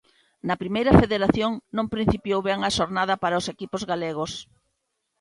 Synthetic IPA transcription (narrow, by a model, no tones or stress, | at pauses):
nɐpɾimejɾɐfeðeɾaθjoŋnõmpɾĩn̟θipjowβeŋaʃoɾnaðɐpaɾaosekipozɣaleɣ̞os